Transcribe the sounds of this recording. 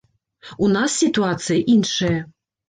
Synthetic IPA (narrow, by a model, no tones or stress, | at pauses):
unasːʲit̪uat̪sɨjɐʔinʂɐjɐ